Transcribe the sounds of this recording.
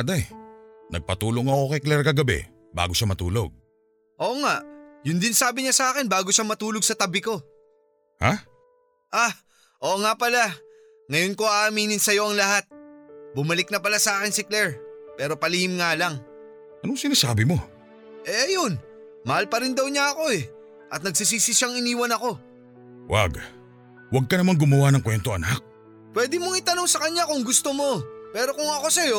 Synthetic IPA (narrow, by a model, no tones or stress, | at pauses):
d̪ajnɐɡ̚pɐt̪uːloŋːɐoːkɛjklɛɾkɐɡɐbɛ̰ | ba̰ːɡo̞ʃamɐt̪ṵːlo̞̰ɡ̚ | ʔo̞ːʔŋaʔjʊnd̪ɪnsaːbɪɲasɐʔaːkɪnbaːɡo̞ʃamɐt̪uːlo̞ɡ̚sɐt̪ɐbɪko̞ | ha̰ | ʔa | ʔoːʔŋapɐla | ŋɐjo̞nko̞aʔmiːnɪnsɐjo̞ʔɐŋlɐɦat̪̚bʊmɐlɪk̚nɐpɐlasɐʔaːkɪnsɪklɛɹpɛːɾo̞pɐlihɪmŋaːlɐŋ | ʔɐnoŋsɪnaːsaːbɪmo̞ | ʔɛʔɐjo̞n | mɐhalpɐɾɪnd̪ɐwɲaɐko̞ɛ | ʔɐt̪̚nɐɡ̚sis̬iːsɪʃaŋɪniːwɐnɐko̞ | wʔa̰ɡ | wɐɡ̚kɐnɐmaŋɡʊmɐwanɐŋkwɛnt̪oʔɐnak̚ | pwɛːd̪ɪmoŋɪt̪ɐno̞ŋsɐkɐɲːakʊŋɡʊst̪omo̞pɛːɾo̞kʊŋɐko̞sɐjo̞